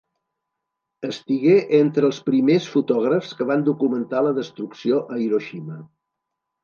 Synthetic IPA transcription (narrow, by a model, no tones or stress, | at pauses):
əst̪iɣeʔent̪ɾəːlˠspɾimesfut̪ɔɣ̞ɾəfskəβand̪ukumənt̪aləðəst̪ɾuksioʔəjɾoʃimə